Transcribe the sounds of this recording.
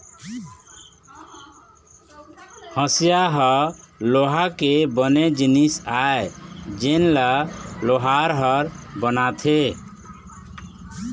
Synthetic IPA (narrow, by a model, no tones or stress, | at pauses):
hə̃sjaɦəloɦakebəned͡ʒinisaed͡ʒenlaloɦaɾɦəɾbənat̪ʰe